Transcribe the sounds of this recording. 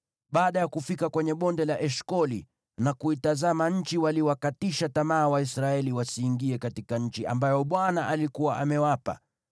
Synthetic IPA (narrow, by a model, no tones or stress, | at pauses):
ɓaːɗajakufikakwɛɲɛɓɔndɛlaʔɛʃkɔli | nakuitazamaɲ̩t͡ʃiwaliwakatiʃatamaːwaisɾaɛliwasiːŋɡiɛkatikaɲ̩t͡ʃia̰mbajɔɓwanaʔalikuwaʔamɛwapa̰